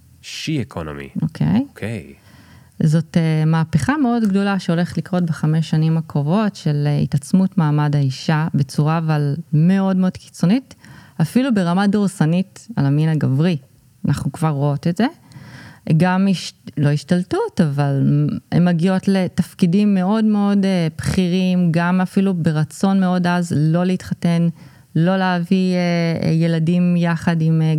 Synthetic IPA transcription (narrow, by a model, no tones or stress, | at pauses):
ʃiekʰo̰no̰mḭokʰḛjkʰḛj | zo̞temaːpeχame̞o̞dɡdo̞laʃeo̞le̞χe̥tlikʁo̞t̚beχameʃːanimakʁovo̞tʃe̞lḭtat͡smutmaːmadhaiʃabe̞t͡suʁaːvalme̞o̞dmeo̞d̥̪ki̥t͡so̞nitafilube̞ʁamadoʁsanita̰laminaɡavʁi | anʔaχnukvaʁːoo̞tetze̞ | ɡamiʃlo̞iʃtaltutavalḛmːaɡio̞tle̞tafkidimːe̞o̞dme̞o̞depχiʁimɡamafilube̞ʁat͡so̞nme̞o̞dazlo̞leitχate̞n | lo̞leavieje̞ladimjaχadim